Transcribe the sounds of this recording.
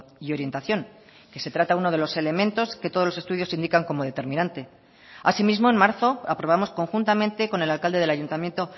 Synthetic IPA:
io̞ɾje̞nt̪aθjo̞ŋ | ke̞se̞t̪ɾat̪auno̞ð̞e̞lo̞sele̞mẽ̞nt̪o̞sket̪o̞ð̞zlose̞st̪uðjo̞sind̪ikaŋko̞mo̞ð̞e̞t̪e̞ɾmĩnãnt̪e̞ | asimizmo̞enmaɾθo̞apɾo̞β̞amo̞sko̞ŋxunt̪amẽnt̪e̞ko̞ne̞lalkald̪e̞ð̞e̞laʝunt̪amje̞nt̪o̞

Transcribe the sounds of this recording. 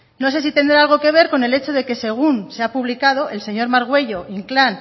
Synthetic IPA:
no̞se̞sit̪e̞nd̪ɾaalɣ̞o̞ke̞β̞e̞ɾko̞ne̞le̞t͡ʃo̞ðe̞ke̞se̞ɣ̞unse̞apuβlikað̞o̞ʔe̞lse̞ɲo̞ɾmaɾɣ̞we̞ʝo̞ʔiŋklan

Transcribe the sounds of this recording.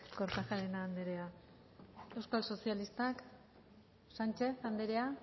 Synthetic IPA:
koɾt̪axaɾenaːnd̪e̞ɾe̞a | e̞wskalso̞sialist̪ak | sant͡ʃe̞θand̪eɾea

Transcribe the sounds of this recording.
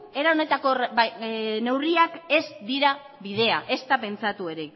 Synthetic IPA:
e̞ɾao̞ne̞t̪ako̞r | ne̞wriake̞zd̪iɾa | βið̞e̞a̰ʔe̞st̪ape̞nt͡sat̪ue̞ɾe̞

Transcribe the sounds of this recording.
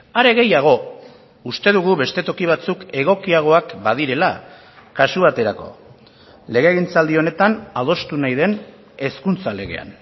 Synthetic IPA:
aɾe̞ɣe̞jaɣ̞o̞ | ust̪e̞ðuɣuβe̞st̪e̞t̪o̞kiβ̞at͡suke̞ɣ̞o̞kiaɣ̞o̞akbað̞iɾe̞la | kasuβ̞at̪e̞ɾako̞̰ | le̞ɣ̞eːɣint͡sald̪io̞ne̞t̪anaðo̞st̪unajðe̞n | e̞skunt͡sale̞ɣ̞e̞̰a̰n

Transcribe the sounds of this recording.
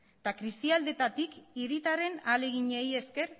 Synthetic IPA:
t̪akɾist̪iald̪e̞t̪at̪ikiɾit̪aɾe̞nale̞ɣiɲe̞je̞ske̞ɾ

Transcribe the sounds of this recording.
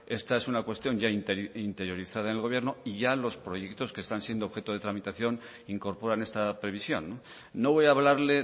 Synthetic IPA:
e̞st̪ae̞sunakwe̞st̪jo̞ɲʝaint̪int̪e̞ɾjo̞ɾiθað̞aenelɣo̞βje̞ɾnoiʝalo̞spɾo̞je̞kt̪o̞skest̪ansje̞nd̪oxe̞t̪oð̞e̞t̪ɾamit̪aθjo̞n | iŋko̞ɾpo̞ɾane̞st̪apɾe̞β̞isjo̞̰nːoː | o̞β̞o̞jaβlaɾle̞

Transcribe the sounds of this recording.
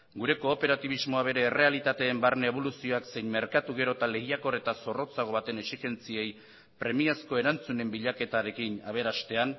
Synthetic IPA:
ɡuɾe̞ko̞ːpe̞ɾat̪iβ̞izmoaβe̞ɾe̞ːre̞alit̪at̪e̞ːmbaɾneeβ̞o̞lusio̞akse̞jnme̞ɾkat̪uɣe̞ɾo̞t̪ale̞ɣiako̞re̞t̪aso̞ro̞t͡saɣ̞o̞βat̪e̞nesixe̞nt͡sie̞j | pɾe̞miasko̞e̞ɾant͡sune̞mbiʎake̞t̪aɾe̞kinaβ̞e̞ɾast̪e̞an

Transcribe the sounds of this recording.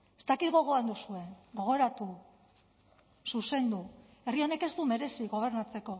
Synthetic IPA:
est̪akit̪ɡo̞ɣ̞o̞and̪usue̞ɡo̞ɣ̞o̞ɾat̪u | suse̞nd̪u | e̞rio̞ne̞ke̞zt̪ume̞ɾe̞siɣo̞β̞e̞ɾnat͡se̞ko̞

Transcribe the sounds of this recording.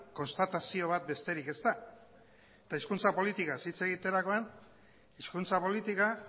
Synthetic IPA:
ko̞nst̪at̪asio̞β̞at̪̚be̞st̪e̞ɾike̞st̪a | et̪aiskunt͡sapo̞lit̪ikasit͡se̞ɣ̞it̪e̞ɾako̞an | iskunt͡sapo̞lit̪ika

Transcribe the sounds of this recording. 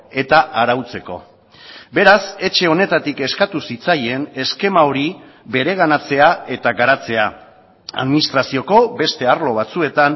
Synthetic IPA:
e̞t̪aʔaɾawt͡se̞ko̞̰ | be̞ɾase̞t͡ʃe̞o̞ne̞t̪at̪ike̞skat̪usit͡saje̞ne̞ske̞mao̞ɾi | be̞ɾe̞ɣ̞anat͡se̞ae̞t̪aɡaɾat͡se̞a | a̰ðminist̪ɾasio̞ko̞be̞st̪e̞aɾlo̞β̞at͡sue̞t̪an

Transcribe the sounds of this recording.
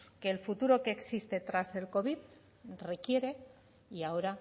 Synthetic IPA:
ke̞ːlfut̪uɾo̞ke̞ːksist̪e̞t̪ɾase̞lko̞βið | re̞kje̞ɾe̞ | iao̞ɾa

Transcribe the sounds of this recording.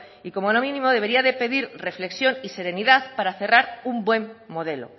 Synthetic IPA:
iko̞mo̞lo̞mĩnĩmo̞ðe̞βe̞ɾiaðe̞pe̞ðiɾre̞fle̞ksjo̞nise̞ɾe̞niðaθpaɾaθe̞raɾumbwe̞mːo̞ð̞e̞lo̞̰

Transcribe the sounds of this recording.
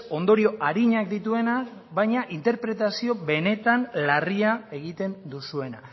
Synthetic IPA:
o̞nd̪o̞ɾio̞ʔaɾiɲak̚d̪it̪ue̞na | βajɲaʔint̪e̞ɾpɾe̞t̪asio̞βe̞ne̞t̪anlariae̞ɣ̞it̪e̞nd̪usue̞na

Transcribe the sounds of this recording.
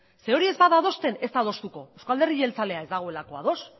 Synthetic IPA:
se̞o̞ɾie̞zbaðaðo̞st̪e̞ne̞st̪aðo̞st̪uko̞ewskald̪erielt͡sale̞ae̞zd̪aɣo̞e̞lako̞a̰ð̞o̞s

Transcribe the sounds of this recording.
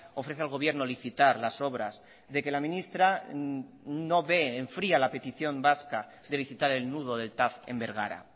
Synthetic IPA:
o̞fɾeθealɣo̞β̞je̞ɾnoliθit̪aɾlaso̞β̞ɾaz | ðe̞ke̞lamĩnist̪ɾa | no̞βe̞ːɱfɾialape̞t̪iθjo̞mbaska | ðe̞liθit̪aɾe̞lnuð̞o̞ð̞e̞lt̪afe̞̰mbe̞ɾɣa̰ɾa̰

